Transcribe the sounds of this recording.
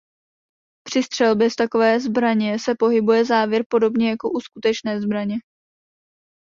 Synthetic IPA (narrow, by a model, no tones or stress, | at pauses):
pr̝̥ɪst̪r̥ɛlbjɛst̪ako̞vɛːzbɾaɲɛsɛpo̞ɦɪbujɛzaːvjɛɾpo̞do̞bɲɛjako̞ʔuskut̪ɛt͡ʃnɛːzbɾaɲɛ